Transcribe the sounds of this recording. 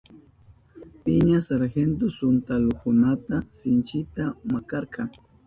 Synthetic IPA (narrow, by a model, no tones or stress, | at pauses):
pɪɲasaɾxent̪osʊnt̪alokʊnat̪asɪnt͡ʃɪt̪amakɑɾqɑŋ